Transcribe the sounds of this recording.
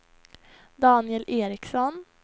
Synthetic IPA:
d̪ɑːnɪɛlʔeːɾɪksɔn

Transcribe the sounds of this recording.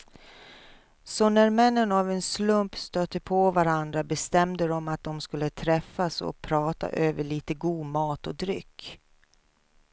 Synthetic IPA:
sɔnæɾmɛnːənavɛnslɵmpst̪øːt̪ːəpʰɔvaɾand̪ɾabɛst̪ɛmd̪əd̪ɔmat̪̚d̪ɔmskɵlːət̪ʰɾɛfːasɔ̰pʰɾɑːt̪a̰ʔøːvəɭiːt̪əɡuːd̪mɑːt̪ɔd̪ɾʏkː

